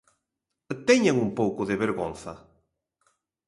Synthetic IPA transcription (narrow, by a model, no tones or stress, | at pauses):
t̪ɛɲaŋumpowkʊðeβeɾɣon̟θɐ̰